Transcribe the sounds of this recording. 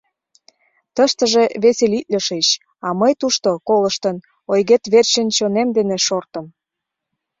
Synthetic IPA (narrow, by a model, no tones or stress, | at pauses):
t̪əʃt̪əʒeβeselit̪̚ʲlʲə̆ʃet͡ɕ | ɑməjt̪uʃt̪okoləʃt̪ən | ojɣet̪βert͡ɕənʲt͡ɕonemd̪eneʃort̪ə̆m